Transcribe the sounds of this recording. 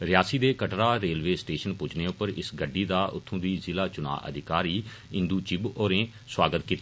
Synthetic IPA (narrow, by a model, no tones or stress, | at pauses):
ɾɪjaːsiːd̪eːkəʈɾaːɾeːlʋeːsʈeːʃənpʊd͡ʒneːʊpːəɾɪ̰sɡəɖːiːd̪aːʔʊ̰t̪ʰːõːʋiːzɪlaːt͡ʃʊna̰ːʔə̰d̪ʱɪkaːɾiːɪ̃nd̪uːt͡ʃɪboːɾẽː | swaːɡət̪kiːt̪ː